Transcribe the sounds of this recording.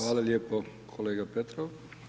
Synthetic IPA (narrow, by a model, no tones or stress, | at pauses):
ʋaːlaljeːpo | kʰoleːɡapet̪ɾoʋ